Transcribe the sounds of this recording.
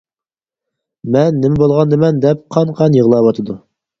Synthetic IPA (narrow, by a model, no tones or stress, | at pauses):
mɛnːɪmɪbolˠʁɑnd̪ɨmɛnd̪ɛp̚qʰɑɴqʰɑnjəʁlˠɑwɑt̪ʰəd̪u